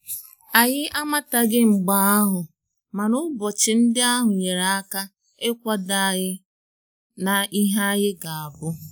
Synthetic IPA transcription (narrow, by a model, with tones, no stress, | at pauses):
a˨ɣɪ˦ʔa˦ma˦ta˨ɡɪ˦ŋ͡m̩˨ɡ͡ba˨a˦ɦʊ˨ | ma˨nʊ˦bɔ˨t͡ʃɪ˨n̩˦dɪ˦a˦ɦʊ˨ɲe˨ɾa˨a˦ka˦ | e˦kʷa˦da˨ɣɪ˦ | na˨i˦ɦa˦ɣɪ˦ɡa˨a˨bʊ˦